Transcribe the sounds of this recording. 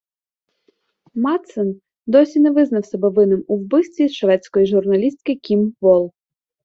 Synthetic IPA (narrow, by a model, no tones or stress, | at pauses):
mɑt̪sɛn | d̪ɔsʲinɛʋɪznɐwsʲɐbɛʋɪnɪmuwbɪst̪ʲʋʲisʃʋɛtt͡sʲsʲkɔjiʒʊrnɐlʲist̪̚kɪkʲimʋɔlˠ